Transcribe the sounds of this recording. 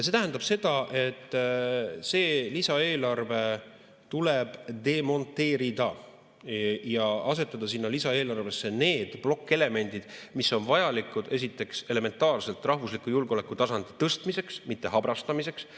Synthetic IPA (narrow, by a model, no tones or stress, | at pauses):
jɑs̬e̞t̪æɦænɑb̥se̞d̪̥ɑʔe̞t̪ː | se̞ːlisɑe̞ːlɑrve̞ | t̪ule̞b̥d̪̥e̞mo̞nt̪ːe̞ːɾid̪ɑ | jɑɑs̬e̞t̪ːˑɑd̪̥ɑsinːɑlisɑe̞ːlɑrve̞sːe̞ne̞ːd̪̥b̥lo̞kːe̞le̞me̞nʲd̪̥id̪̥misːo̞nvɑjɑlikːˑud̪̥e̞s̬it̪ːˑe̞kse̞leme̞nt̪ːˑɑːrse̞lt̪ːˑrɑɦvuslikːˑujulɡo̞le̞kːˑut̪ɑsɑnd̪̥i̥t̪ɤst̪mise̞ksmit̪ːe̞ɦɑbɾɑst̪ɑmise̞ks